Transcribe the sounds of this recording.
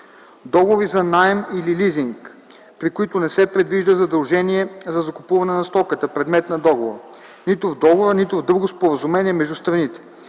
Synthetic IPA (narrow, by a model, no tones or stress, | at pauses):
d̪ɔɡovizɐnaɛmililiziŋk | pɾikʊit̪ʊnɛsɛpɾɛd̪viʒd̪əzɐd̪ɐlˠʒɛniɛzɐzɐkʊpuvɐnɛnɐst̪ɔkət̪əpɾɛd̪mɛt̪nɐd̪ɔɡov | nit̪ʊvd̪ɔɡoɾənit̪ʊvd̪uɡʊspoɾəzumɛniɛmɛʒd̪ust̪ɾɐnit̪ɛ̥